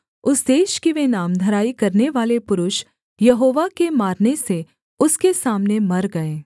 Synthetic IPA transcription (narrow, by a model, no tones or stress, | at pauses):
ʊsd̪eːʃkiʋenaːmd̪ʱɐɾaːikɐɾneʋaːlepʊɾʊʃ | jɐɦoːʋakemaːɾnese | ʊskesaːmnemɐɾɡɐeː